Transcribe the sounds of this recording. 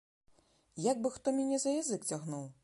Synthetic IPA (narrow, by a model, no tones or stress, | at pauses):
jaɡ̚bɨxt̪ɔmʲanʲɛzɐjazɨkt͡sʲaɣnuw